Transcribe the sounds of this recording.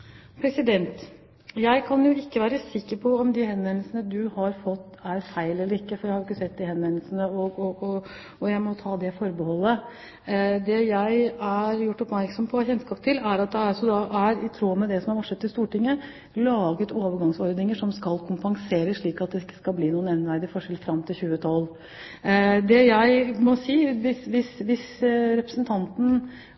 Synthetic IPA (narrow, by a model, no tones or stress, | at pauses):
pʰɾɛsɪd̪ɛnt̪ | jæɪkʰɑnjʊɪkːəʋæːɾəsɪkːəɾpʰɔɔmd̪ɪɦɛnʋɛnl̩sənəd̪ʉhɑɾfɔt̪ːæɾfæɪlɛlːəɾɪkːəfɔɾjæɪhɑɾʊɪkːəsɛt̪̚ːd̪ɪhɛnʋɛnəlsənəɔɔɔ | ɔjæɪmɔt̪ʰɑːd̪ɛfɔɾbəhɔlːə | d̪ɛjæɪæɾjʊʈːɔpmæɾksɔmpʰɔçɛnt̪skɑːp̚t̪ʰɪlæɾɑt̪̚d̪ɛæɾɑsɔd̪ɑʔæɾɪt̪ʰɾoːmɛd̪ɛsɔmhæɾʋɑʈʂɛt̪ːɪlst̪uːʈɪŋːə | lɑːɡət̪ʰoːʋəɾɡɑŋsɔɾd̪nɪŋəʂɔmskɑlkʰʊmpɑŋseːɾəsʂɭiːkɑt̪̚d̪ɛɪkːə̥skɑlbliːnuːənɛnʋæɾd̪ɪfɔʂɛlfɾɑmːt̪ʰɪlçʉːət̪ʰɑl | d̪ɛjæɪmɔsiːʋɪsʋɪsʋɪsɾɛpɾəsənt̪ʰɑnt̪n̩